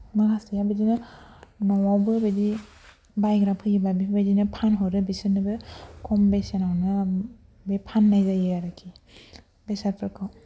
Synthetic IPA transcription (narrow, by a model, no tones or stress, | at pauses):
naɡastijabedinɯnawawbɯbedi | bajɡɾapʰɯɡibabibedinɯpʰanɦɔɾɯbisɯnɯbɯkʰɔmbesenawnɯ | bepʰanːajzajɯaɾakʰi | besaɾpʰɯɾkʰɯw